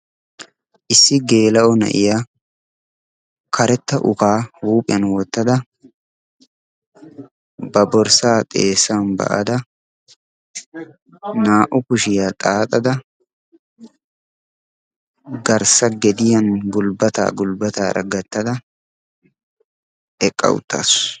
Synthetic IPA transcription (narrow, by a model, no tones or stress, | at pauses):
ʔɪsːɪɡe̞ːlɐʔɔnɐ̰ʔɪja | kʰɐɾɛt̪ːɐʔʊkaːhuːpʼɪjɐnwɔt̪ːɐd̪ɐ | bɐbɔɾsaːt̪ʼeːsːaːnbɐ̰ʔɐ̰d̪ɐ | naːʔʊkʊʃɪjat̪ʼaːt̪ʼɐd̪ɐ | ɡɐɾsɐɡɛd̪ɪjɐnɡʊlbɐt̪a̰ːɡʊlbɐt̪a̰ːɾɐ̰ɡɐt̪ːɐd̪ɐ | ɛkʼːɐ̰wʊ̰t̪ːa̰s